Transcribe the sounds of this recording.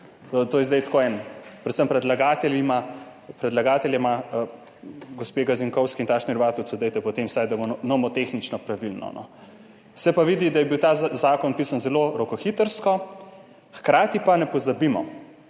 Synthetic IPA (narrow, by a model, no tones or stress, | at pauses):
t̪oːjɛzd̪ɛjt̪koɛnpɾɛt̪səmpɾɛd̪laɡaːt̪ɛlima | pɾɛd̪laɡaːt̪ɛljɛma | ɡospeɡaziŋkɔwskint̪aːʃniɾʋaːt̪uwsud̪ɛjt̪ɛpɔt̪emwsajd̪abonɔmɔt̪exnit͡ʃnɔpɾaʋilnɔ̰nɔ̰ | sɛpaʋid̪id̪ajɛbiwt̪aːzaːkɔnpisanzɛloɾɔkɔxit̪əɾskɔ | xkɾaːt̪ipanɛpɔzabimɔ̰